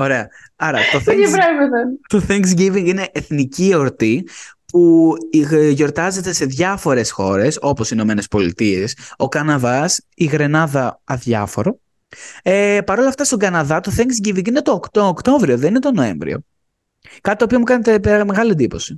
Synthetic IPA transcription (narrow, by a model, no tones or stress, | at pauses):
o̞ɾe̞ɐ | ɐɾɐt̪oθeŋiveveðɐnt̪o̞θeŋks̬ɡiviŋɡine̞ʔeθnicio̞ɾt̪ipu | ʝo̞ɾt̪ɐze̞t̪e̞se̞ðʝɐfo̞ɾe̞sxo̞ɾe̞so̞po̞sino̞me̞ne̞spo̞lḭt̪ieso̞kɐnɐðɐs | iɣɾe̞nɐðɐɐðʝɐ̰fo̞ɾo | epɐɾo̞lɐft̪ɐst̪o̞ŋɡɐnɐðɐt̪oθeŋksɡivĩŋɡine̞t̪oːkt̪oːkt̪o̞vɾio̞ðe̞ninet̪o̞no̞e̞̰ɱvɾḭo̞̰ | kɐt̪it̪opio̞mukɐne̞t̪e̞pme̞ɣɐlie̞nd̪ipo̞si̥